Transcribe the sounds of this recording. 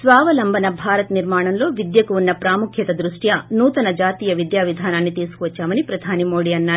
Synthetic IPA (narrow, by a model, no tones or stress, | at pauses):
sʋaːʋɐlɐmbʱɐnɐbʱaːɾɐt̪niɾmaːɳɐmlo̞ːʋid̪jɐkuunːɐpɾaːmukʰjɐt̪ɐd̪ɾuʂʈjɐnuːt̪ɐnɐd͡ʒaːt̪iːjɐʋid̪jaːʋid̪ʱaːnaːnːit̪iːsu̥kuʋɐt͡ʃːaːmɐnipɾɐd̪ʱaːnimoːɽiːɐnːaːɾu